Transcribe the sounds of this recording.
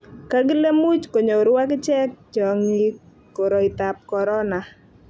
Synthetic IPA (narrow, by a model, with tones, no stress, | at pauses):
ka˦ɡɪ˦le˦mu˦t͡ʃko˨ɲo˨ɾʊ˦wa˦kɪ˦t͡ʃɛ˦k̚t͡ʃɔ˨ŋi˦ | ko˨ɾɔ˨ɪ˨t̪a˨p̚kɔ˨ɾɔ˦na˨